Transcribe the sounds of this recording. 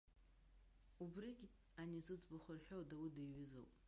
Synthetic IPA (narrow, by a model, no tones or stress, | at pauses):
ubriɡʲ | anizɨd͡zbɨχʷʊrħᶣowdawidajɥʊzo̰wpʼ